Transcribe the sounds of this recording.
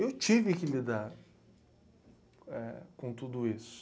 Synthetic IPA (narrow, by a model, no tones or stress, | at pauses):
ewt͡ʃivɪkɪlid̪aɾ | ɛkõt̪ud̪ʊisʊ̥